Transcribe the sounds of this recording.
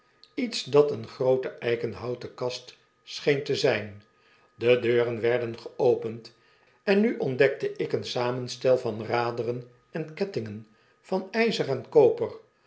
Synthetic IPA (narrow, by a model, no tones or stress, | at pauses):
itsdɑtənχrowtəʔɛjχənɦɑwtəkɑst | sχejntəzɛjn | dədøːrənʋɛɹdənχəowpənt | ɛnːyʔɔndɛk̚təʔɪkənsaːmənstɛlˠvɑnraːdərən | ɛnkɛtɪŋən | fɑnɛjzərɛnkowpər